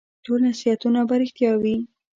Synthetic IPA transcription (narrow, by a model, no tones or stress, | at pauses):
ʈolnasiat̪unabaɾɪxt̪jɑwi